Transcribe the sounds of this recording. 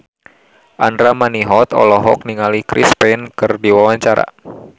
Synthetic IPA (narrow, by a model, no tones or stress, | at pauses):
ʔandɾamaniɦɔt̪ɔ̰lɔɦɔk̚niŋalikɾḭspɛnkɨrdiwawaɲt͡ʃaɾa̰